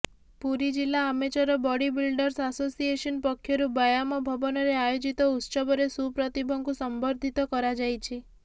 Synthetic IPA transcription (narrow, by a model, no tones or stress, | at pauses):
puɾid͡ʒilːaːmet͡ʃɔɾɔbɔɽibilɖɔɾsasosieʃɔnpɔkʰːjɔɾubajamɔbʱɔbɔnɔɾeajod͡ʒit̪ɔut̪ːsɔbɔɾesupɾɔt̪ibʱɔŋɡusɔmbʱɔɾd̪ʱit̪ɔkɔɾad͡ʒajt͡ʃʰe